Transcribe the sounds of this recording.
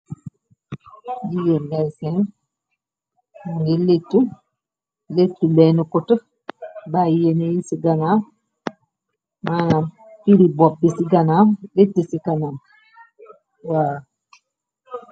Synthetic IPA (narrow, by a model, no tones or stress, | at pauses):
ɟijenlajsɛn | muŋɡiletːu | letːulɛnukutə | bajenejisiɡana | mana | piɾibɔp̚bisiɡanamletːəsikanam | wa